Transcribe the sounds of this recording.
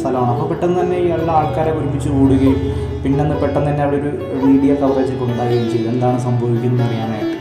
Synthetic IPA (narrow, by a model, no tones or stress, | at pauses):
t̪ʰɐlɐmaːɳɨɐpːopeʈːɐnːɨt̪ɐnːe̞iːɐlːɐaːɭkaːɾekoɾubit͡ɕːɨkuːɽuɣɐjum | pinːeonːɨpeʈːɐnt̪ɐnːeɐʋɽoɾu | miːɽijɐkɐʋreːd͡ʑɨkoɳɖaːɾɐjumt͡ɕej̪ːe̞nd̪aːɳɨsɐmbʱɐʋikʲːunːɨɐrijaːnejʈːɨ